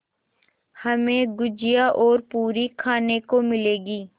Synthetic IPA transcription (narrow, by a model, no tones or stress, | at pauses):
hɐmẽɡʊd͡ʒijaʔɔːɾpuːɾikʰaːnekomɪleːɡiː